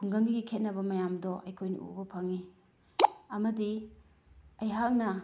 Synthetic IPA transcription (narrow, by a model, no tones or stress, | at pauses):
kʰuŋɡɐŋɡiɡikʰet̚nɐbɐmɐjamdɔʔɐjkʰojnɐ̰ʔṵbɐpʰaŋi | ɐmɐdi | ɐjɦak̚nɐ